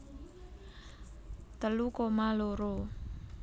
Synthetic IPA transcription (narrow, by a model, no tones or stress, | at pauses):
t̪əlukomaloɾo